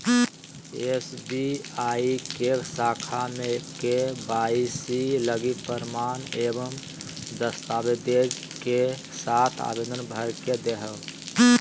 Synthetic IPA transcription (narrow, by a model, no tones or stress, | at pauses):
esbiaikesaːkʰamekebaːisiləɡipəɾmaːnebəm | d̪əst̪aːbed̪ed͡ʒ | ke | sat̪ʰa̰ːbed̪ənbʱəɾked̪eɦəl